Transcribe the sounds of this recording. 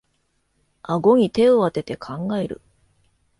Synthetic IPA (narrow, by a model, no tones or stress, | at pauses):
aɡo̞ɲ̟it̪e̞oβat̪e̞t̪e̞kʰãŋɡae̞ɾɯ̟̰